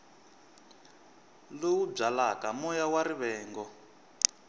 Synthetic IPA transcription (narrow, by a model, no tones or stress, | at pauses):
lowub͡ʐalakamɔjawaɾiβɛːŋɡɔ